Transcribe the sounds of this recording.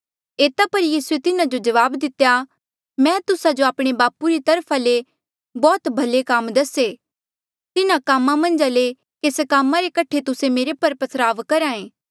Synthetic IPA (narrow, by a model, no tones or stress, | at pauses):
eːt̪apɐɾjiːsuet̪ɪnãd͡ʒod͡ʒɐʋaːbd̪ɪt̪ːeja | mɛ̃ːt̪ʊsad͡ʒoaːpɽ̃ebaːpuɾit̪ɐɾpʰale | bɔːt̪bʱɐlekaːmd̪ɐse | t̪ɪnãkaːmãmɐ̃nd͡ʒale | keːskaːmːãɾekɐʈʰet̪ʊsemeːɾepɐɾpɐsɾaːʋkɐɾãːẽː